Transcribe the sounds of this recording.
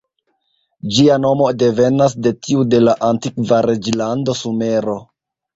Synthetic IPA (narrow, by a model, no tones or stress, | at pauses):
d͡ʒiano̞mo̞de̞ve̞nasde̞tiude̞laʔantikvaɾe̞d͡ʒlando̞sume̞ɾo̞